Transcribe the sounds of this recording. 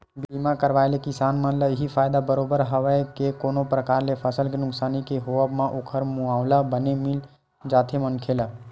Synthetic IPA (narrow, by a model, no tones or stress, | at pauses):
bilmãkəɾʋajlekisanmə̃nləɦipʰajd̪abəɾobəɾɦəʋəɪkekonopɾəkaɾlepʰəsəlkenʊksaːnikeɦoəbmãʔokʰəɾmuaʊlabənemil | d͡ʒat̪ʰemənkʰelə